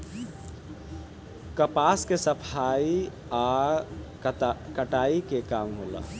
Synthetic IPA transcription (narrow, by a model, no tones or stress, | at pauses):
kəpaːskesəpʰai | a | kəʈaikekaːmɦola̰ː